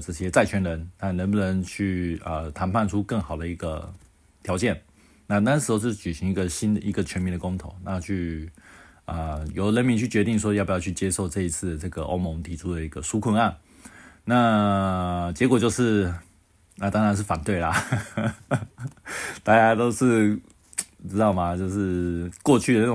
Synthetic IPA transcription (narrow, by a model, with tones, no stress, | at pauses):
ʈ͡ʂɤ˥˩ɕjɛ˥t͡sa˥˩ɪt͡ɕʰɥɛ˧˥nɻə˧˥nna˥˩nɻə˧˦npə˧˩ɻə˧˦nt͡ɕʰy˥˩ə˩t̪ʰa˧˥npʰa˥˧nʈ͡ʂʰu˥kɤ˥˩ŋxɑ˨˩ʊd̪ə˦i˧˥ɡə̰˧ | t̪ʰjɑ˧˥ʊt͡ɕjɛ˥˩n | na˥˩na˥˧nʂ̬̩˧˥o˧t͡ɕt͡ɕy˨˩ɕi˧˥ŋi˧˥ɡə˨ɕi˥nd̪ə˨i˧˥ɡə˨t͡ɕʰɥɛ˧˥nmi˧˥nd̪ə˩kʊ˥ŋt̪ʰo̰˨˩ʊna˥˧t͡ɕʰy˥˩ | ə˨˩jo˨˩ʊɻə˧˥nmi˧˥nt͡ɕʰy˥˩t͡ɕɥɛ˧˥t̪i˥˩ŋʂ̬wɔ˥jpu˨˩jɑ˥˧ʊt͡ɕʰy˥˩t͡ɕjɛ˥ʂo˥˧ʊʈ͡ʂɤ˥˩i˧˥t͡sʰɹ̩˥˩d̪ə˩ʈ͡ʂɤ˥˩ɡə˩ʔo̰˥ʊmo˧ŋt̪ʰi˨˩ʈ͡ʂʰu˥d̪ə˨˩i˧˥ɡə˨ʂu˥kʰwə˥˧na˥˩n | na˥˨ | t͡ɕjɛ˧˥kwɔ˨˩t͡ɕjo˥˧ʊʂɻ̩˥˩ | na˥˩t̪ɑ˥ŋɻa˧˥nʂ̬ɻ̩˥˩fa˨˩nt̪we˥˩ɪlɐ˩ | t̪a˥˧t͡ɕja˥t̪o˥ʊʂɻ̩˥˧ | ʈ͡ʂɻ̩˥t̪ɑ˥˩ʊma˩t͡ɕjo˥˧ʊʂɻ̩˥˩kwɔ˥˧t͡ɕʰy˥˩də˩na˥˩˨